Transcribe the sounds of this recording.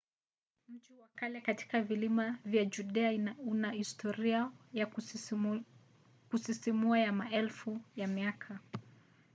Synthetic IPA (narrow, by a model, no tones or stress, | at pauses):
m̩t͡ʃuwakalɛkati̥kavilimavjad͡ʒuɗɛaiunahistʰɔɾiaja | kusisimuajamaɛlfujamiakʰa